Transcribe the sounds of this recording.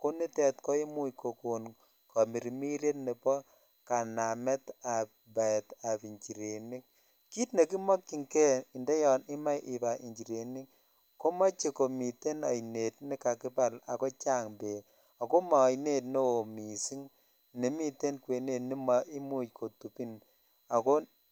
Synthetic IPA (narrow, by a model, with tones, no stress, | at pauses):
ko˦ni˦tɛ˨tkɔ˦i˦mu˦jko˨ko˨n | kɔ˨mi˨ɾi˨mi˦ɾe˦tne˨pɔ˦ | ka˨na˨mɛ˦ta˨p̚ | ba˨ɛ˨ta˨pi˨ɲt͡ʃi˨ɾe˨ni˦k̚ | ki˦tne˨ki˦mɔ˦kːi˨ŋkɛ˦i˨ndɛ˦jɔ˨nɪ˦ma˦jʔi˨ba˨ʔi˨ɲd͡ʒi˨ɾe˨ni˦k | ko˦mɔ˦t͡ʃe˨ko˨mi˨te˦na˨jne˨tni˦ka˨kɪ˦pa˦la̰˨ko˦t͡ʃa˦ŋbe˨ | a˨ko˦maː˨jne˦tne˦o˨mi˨si˦ŋ | ne˨mi˦te˦nkwe˨ne˨tni˦ma˨ʔi˦mu˦t͡ʃkʰo˨tu˨pi˦n | a˨ko˦